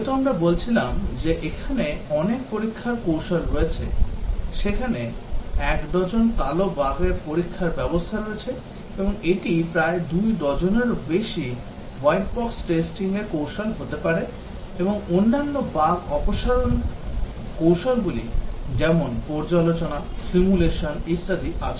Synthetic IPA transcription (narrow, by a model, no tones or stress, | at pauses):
t̪oamɾabolt͡ɕʰilamd͡ʑeʔekʰaneɔnekpoɾikʰːaɾkowʃolɾoet͡ɕʰeʃekʰaneɛkd̪ɔd͡ʑonkalobaɡeɾpoɾikʰːaɾbɛbost̪ʰaɾoet͡ɕʰe | eboŋeʈipɾaed̪ujd̪ɔd͡ʑoneɾbeʃi | wajʈ̚bɔksʈesʈiŋeɾkowʃolɦot̪epaɾe | eboŋonːanːobaɡɔpoʃaɾon | kowʃolɡulḭd͡ʑɛmonpɔɾd͡ʑalot͡ɕonasimuleʃonist̪ad̪iʔat͡ɕʰe